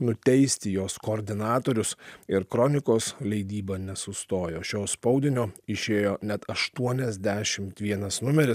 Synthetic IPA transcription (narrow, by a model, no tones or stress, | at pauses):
nʊt̪ʲɛɪsʲt̪ʲɪjoːskoːɾʲd̪ʲɪnɑːt̪oːɾʲʊsɪɾkɾonʲɪkoːslʲɛɪd̪ʲiːbɐnʲɛsʊst̪oːjoːʃʲoːspɒʊd̪ʲɪnʲoːɪʃʲeːjoːnʲɛt̪ɐʃt̪uɔnʲɛzʲd̪ʲæːʃʲɪmt̪ʋʲiɛnɐsnʊmʲɛɾʲɪs